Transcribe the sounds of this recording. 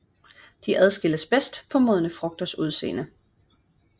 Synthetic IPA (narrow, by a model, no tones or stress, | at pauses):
d̥iʔæð̞ˠsɡ̥e̝ləsb̥esd̥pʰɒ̽moð̞ˠnəfʁɔ̽ɡ̥̚d̥ɐsuð̞ˠse̝̰ːnə